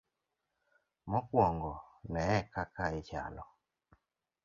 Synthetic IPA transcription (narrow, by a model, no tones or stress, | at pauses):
mɔkwɔŋɡɔnɛɛkakaet͡ʃa̰lɔ